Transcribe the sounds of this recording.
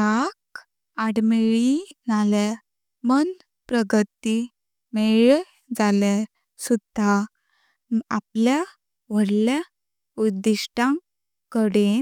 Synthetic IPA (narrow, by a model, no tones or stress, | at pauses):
ak | aɽmeɭinala | mən | pɾəɡət̪i | meɭ | d͡zale | sud̪ʱa | ap̚lja | ʋəɽlja | ud̪ːiʂʈã | kəɽe